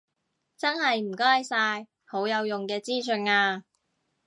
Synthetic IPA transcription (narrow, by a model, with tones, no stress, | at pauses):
t͡sɐ˥nɦɐ˨jm̩˨˩kɔː˥jsaː˧j | ho˨˥wjɐ˨˧wjʊ˨ŋkɛː˧t͡siː˥sɵ˧naː˧